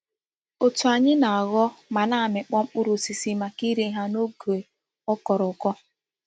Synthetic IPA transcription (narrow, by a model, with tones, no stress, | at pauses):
o˨tu˨a˨ɲɪ˦na˨a˨ɣɔ˦ma˨na˨a˨mɪ˨k͡pɔ˦ŋ͡m̩˦k͡pʊ˦ɾu˨si˨si˦ma˨ki˦ɾe˨˦ɦa˦no˦ɡe˨ | ɔ˦kɔ˨ɾɔ˨kɔ˦